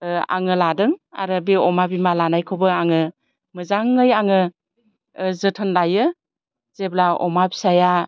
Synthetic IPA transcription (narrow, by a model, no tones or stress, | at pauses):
a̰ŋɯladɯŋa̰ɾɯbiɔmabimalanajkʰobɯaŋɯ | mɯzaŋːɯjaŋɯ | zɯtʰɯnlajɯ | z̥eblaɔ̰mabi̥saja